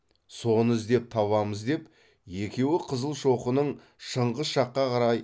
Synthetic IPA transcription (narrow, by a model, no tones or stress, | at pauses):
so̞nəzd̪e̞p̚t̪ʰɑβɑməzd̪e̞p | je̞kʲe̞wɪqʰəzəlˠʃo̞qənəɴ | ʃəɴʁəzʃɑqːɑqʰɑɾɑj